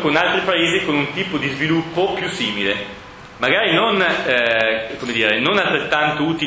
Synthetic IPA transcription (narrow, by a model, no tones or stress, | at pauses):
konalt̪ɾipaeːzikonunt̪iːpod̪izvilupːopjusiːmile | maɡaːɾinon | komed̪iːɾenonalt̪ɾet̪ːant̪ouːt̪i